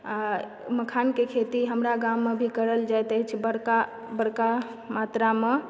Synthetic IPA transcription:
a | məkʰankekʰet̪iɦəmɾaɡamːebʱikəɾəld͡ʒajt̪ət͡ʃʰbəɽka | bəɽka | mat̪ɾame

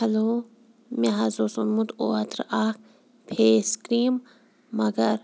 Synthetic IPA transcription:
hɐloː | meɦɐzoːsunmũt̪o̰ɐt̪ɾaːk̚ | pʰeːskɾiːmː | ɐɡɐɾ

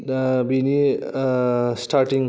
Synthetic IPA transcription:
bini | sʈaɾʈiŋ

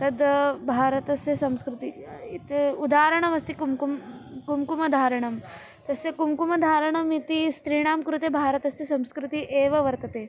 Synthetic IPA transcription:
t̪ɐd̪bʱaːɾət̪ɐsesɐ̃mskɾut̪iit̪eud̪aːɾəɳ̃ɐmɐst̪ikumkumkumkumɐd̪ʱaːɾəɳ̃ɐm | t̪ɐsekumkumɐd̪ʱaːɾəɳ̃ɐmit̪ist̪ɾiːɳ̃aːmkɾut̪ebʱaːɾət̪ɐsesɐ̃mskɾut̪iʔeːʋɐʋɐɾt̪ɐt̪e

